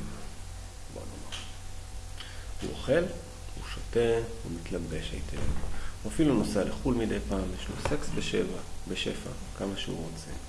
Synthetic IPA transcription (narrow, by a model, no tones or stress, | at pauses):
bo̰noma | hṵʔo̞̰χe̞l | ṵʃote̞umitlabe̞ʃḛjtʰḛuafiluno̞saleχulmide̞jpaːmjeʃlo̰se̞ksbeʃe̞vabeʃe̞fa̰ | kamaʃeṵʁot͡se̞̰